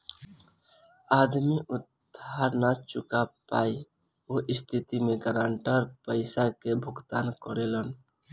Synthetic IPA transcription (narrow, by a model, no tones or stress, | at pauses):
ad̪miʔʊd̪ʱ | aɾnat͡ʃʊkapa̰i | oʔɪst̪ʰit̪imẽɡəɾaɳʈəɾpəɪsakebʱʊɡt̪ankəɾelən